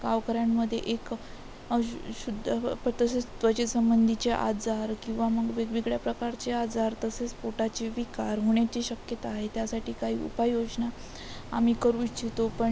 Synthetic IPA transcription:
ɡaʋkəɾjamːəd̪ʱːjḛʔek | ɕud̪ʱpt̪əset͡st̪ʋət͡ɕesəmbənd̪ʱit͡ɕeʔa̰d͡zaɾkĩw̃ʋaməɡʋeɡʋiɡɭjapɾəkaɾt͡ɕead͡zaɾt̪əset͡spoʈat͡ɕiʋikaɾɦoɳ̃jat͡ɕiːɕəkjət̪aːɦet̪jasaʈiːkaɦḭːṵpajod͡zna | a̰miːkəɾuːt͡ɕit̪opəɳ

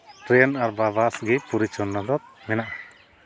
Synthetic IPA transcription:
ʈɾɛnaɾbabasɡɛpuɾit͡ʃɔnːad̪ɔt̪̚mɛnaʔa

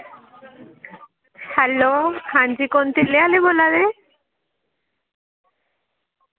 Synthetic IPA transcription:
hɛlohand͡ʑikont̪ilealebolad̪e

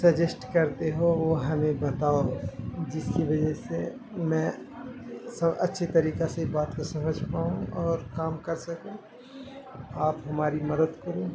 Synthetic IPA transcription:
sɐd͡ʒɪsʈkɐɾt̪eɦoʋoɦɐmẽbɐt̪aːod͡ʒɪskiʋɐd͡ʒɛse | mɛ̃ː | sɐʔɐtːʃʰet̪ɐɾiːkasebaːt̪kosɐməd͡ʒʱpaːũɔːɾkaːmkɐɾsɐkũ | aːpɦɐmaːɾimɐd̪əd̪kəɾũ

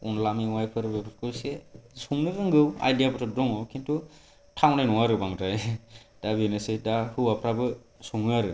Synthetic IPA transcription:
unlamiwajpʰɯɾɯbepʰɯtkʰɯsesuŋnɯɾɯŋɡɯwa̰jdijabɔtʰɯdɔŋɔkʰintu | tʰawnajnɔŋaɾɯbaŋtajd̥abenɯsɯjdahɯapʰɾabɯ | suŋnɯaɾɯ

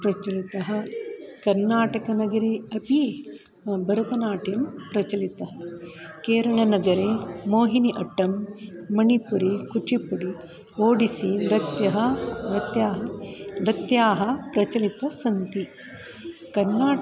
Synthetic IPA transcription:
pɾɐt͡ʃɐlit̪ɐɦɐ̆kɐɾnaːʈɐkɐnɐɡɐɾiɐpi | bʱɐɾɐt̪ɐnaːʈʰjɐmpɾɐt͡ʃɐlit̪ɐɦɐkeːɾɐɭɐnɐɡɐɾemoːɦiniʔɐʈːɐmːɐnipuɾikut͡ʃipuɽi | oːɽisiɾɐt̪jɐɦɐɾɐt̪jaːɦɐnɾɐt̪jaːɦɐ̆pɾɐt͡ʃɐlit̪ɐsɐnt̪i | kɐɾnaː

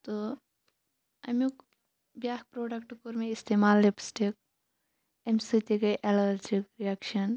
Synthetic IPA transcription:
t̪o | ɐmuk | bjaːk̚pɾoːɖɐkʈkuɾmẽist̪emaːlːepsʈik̚ | emsit̪ikeʔelɐɾd͡ʒikɾijakʃɐn

